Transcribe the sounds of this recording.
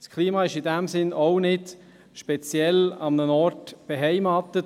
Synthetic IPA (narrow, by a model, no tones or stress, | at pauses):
skʰliːmɑːɪʃɪdɛmsɪnoʊnɪd | ʃpɛt͡sjɛlɑmnənɔɾtb̥eɦɛɪmɑːt̪ət